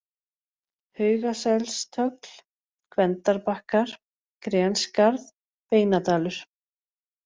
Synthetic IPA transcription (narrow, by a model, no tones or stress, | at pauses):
hœːɥɣasɛlst̪ʰœkl̥ | kʰvɛnt̪aɾpahkaɾ̥ | kɾɛːnskaɾð | peːjnat̪aːlʏɾ̥